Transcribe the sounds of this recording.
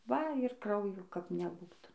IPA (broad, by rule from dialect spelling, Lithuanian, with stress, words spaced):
ˈʋɐ ɪr ˈkrɐʊjoː kɐp nʲɛˈbuːtɐ